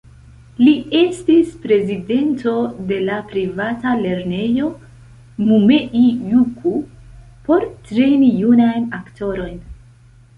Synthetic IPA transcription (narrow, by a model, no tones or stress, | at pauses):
lie̞stispɾe̞zide̞nto̞de̞lapɾivatale̞ɾne̞jo̞ | mume̞ʔijukʰu | po̞ɾtɾe̞nijunajnakto̞ɾo̞jn